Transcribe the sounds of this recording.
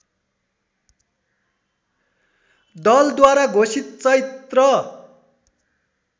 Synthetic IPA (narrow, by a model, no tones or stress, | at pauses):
d̪ʌld̪waɾaɡʱosit̪̚t͡sʌjt̪rʌ